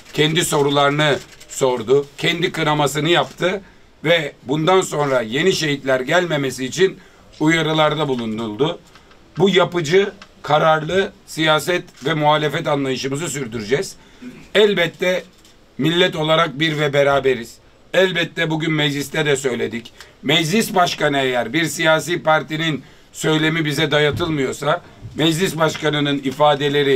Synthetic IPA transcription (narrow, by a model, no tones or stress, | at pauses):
cʰɛnd̪iso̞ɾulˠaɾɯnɯso̞ɾd̪ʊcʰɛnd̪ikɯnamasɯnɯjapt̪ʰɯ | vɛbund̪anso̞nɾaje̞niʃe̞ɦit̪lʲæɾɟælʲme̞mesiːt͡ʃʰin | ujaɾɯlˠaɾd̪abulˠund̪ulˠd̪ʊ | bujapɯd͡ʒɯkʰaɾaɾlˠɯsijaːs̬ɛt̪vɛmuɦaːlʲefɛt̪̬anlˠajɯʃɯmɯzɯs̬yɾd̪yɾyd͡ʒɛz̥ | ɛlʲbɛt̪ʰːɛ | milʲːɛt̪o̞lˠaɾak̚biɾvɛbeɾaːbe̞ɾiz̥ | ɛlʲbɛt̪ʰːɛbuɟynmɛd͡ʒlʲist̪ʰɛd̪ɛsø̞jlʲe̞d̪icmɛd͡ʒlʲisbaʃkanɯejæɾbiɾsijaːsiːpaɾt̪inin | sø̞jlʲe̞mibizɛd̪ajat̪ʰɯlˠmɯjo̞sa | mɛd͡ʒlʲisbaʃkanɯnɯnifaːd̪e̞lʲe̞ɾi